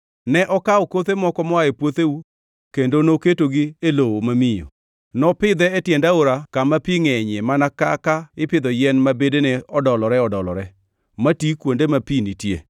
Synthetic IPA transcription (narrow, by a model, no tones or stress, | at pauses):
nɛʔɔkaɔkot̪emɔkɔmɔaepwot̪eu | kendonoketoɡɪelowomamɪjo̰ | nɔpɪd̪ɛːtjɛndaoɾakamapiŋɛɲɛmanaka̰kaɪpɪd̪ɔjɛnmabedenɛɔdɔlɔɾɛɔdɔlɔɾɛ | matikwondemapinitje